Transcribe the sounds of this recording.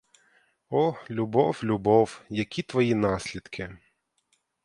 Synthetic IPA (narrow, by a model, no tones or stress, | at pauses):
ɔlʲʊbɔwlʲubɔwjɐkʲit̪ʋɐjinɑsʲlʲid̪kʰɪ